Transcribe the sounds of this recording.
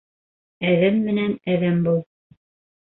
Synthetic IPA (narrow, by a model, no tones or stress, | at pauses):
æðæmːɘ̆nænæðæmbulˠ